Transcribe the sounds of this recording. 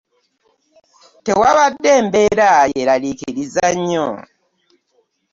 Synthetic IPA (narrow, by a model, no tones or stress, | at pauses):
tewaβadːe̞ːmbeɾajeɾalikiɾizaɲːo